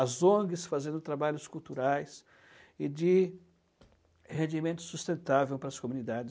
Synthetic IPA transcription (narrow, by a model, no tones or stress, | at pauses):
azõɡɪsfazẽnd̪ʊt̪ɾabaʎʊskuwt̪uɾajs | ɪd͡ʒɪ | hẽnd͡ʒimẽnt̪ʊ̥sust̪ẽnt̪avewpɾɐːskomũnid̪ad͡ʒɪ